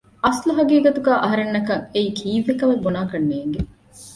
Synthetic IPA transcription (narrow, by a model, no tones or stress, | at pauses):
ʔɐsluɦɐɡiːɡɐt̪uɡæːʔɐɦɐɾenːɐkɐŋeiːkʰiːʋːekɐʋɐbonaːkɐnːeːŋɡe